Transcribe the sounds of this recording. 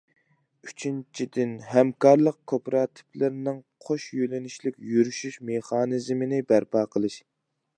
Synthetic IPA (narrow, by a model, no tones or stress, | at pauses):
yt͡ʃʰint͡ʃʰid̪ɪnɦɛmkɑɾlˠəq̚kʰopɾɑːt̪ʰɪ̥pʰlɪɾnɨŋqʰoʃjølɪniʃlɪkʲjyɾyʃyʃmeχɑːnɨzmɪnɪbæɾpʰɑːqʰəlˠɨʃ